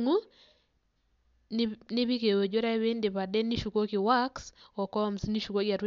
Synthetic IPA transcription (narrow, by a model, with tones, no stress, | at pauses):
ŋu˦ | nɪ˦bi˦ke˨wo˨d͡ʒo˦ɾa˦βɪ˦ndɪ˨pa˨dɛ˦ni˦ʃu˨ko˦kɪ˨wa˦ksɔ˨kɔ˦msni˦ʃu˨ko˦ɡja˨tw